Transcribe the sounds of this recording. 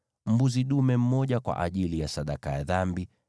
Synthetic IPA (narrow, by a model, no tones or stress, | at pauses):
m̩buziɗumɛm̩mɔʄakwa̰ʔa̰ʄilijasaɗakajaðambi